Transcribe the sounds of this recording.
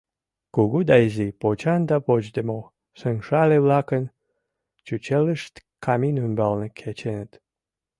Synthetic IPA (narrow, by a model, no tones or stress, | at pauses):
kuɣud̪ɑizipot͡ɕɑnd̪ɑpot͡ɕd̪emo | səŋʃɑleβlɑkən | t͡ɕut͡ɕeləʃt̪kʰɑminymbɑlnekʰet͡ɕenət̪